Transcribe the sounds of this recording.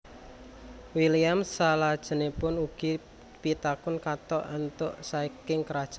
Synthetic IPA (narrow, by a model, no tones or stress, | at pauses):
wiliamsalad̥ʒ̥ə̤nepʊnuɡ̥i | pit̪akʊnkat̪ɔʔant̪ʊʔsaikɪŋkɾad̥ʒ̥a